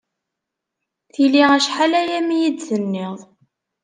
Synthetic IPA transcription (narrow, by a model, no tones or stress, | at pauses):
θiliʁæʃħalæjæmijidθənːɪðˤ